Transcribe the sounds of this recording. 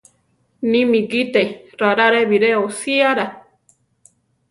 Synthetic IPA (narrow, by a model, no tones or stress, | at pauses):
nĩmĩɡit̪eɾaɾaɾeβiɾeosiaɾa